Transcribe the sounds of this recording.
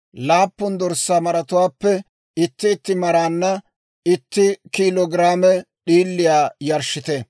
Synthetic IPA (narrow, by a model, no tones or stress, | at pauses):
laːpːʊnd̪ɔɾsːaːmɐɾɐt̪ʊwaːpːɛ | ɪt̪ːɪːt̪ːɪmɐɾaːnːɐ | ɪt̪ːɪkiːlɔɡɪɾaːmɛ | ɗiːlːɪjaːjɐɾʃːɪt̪ɛ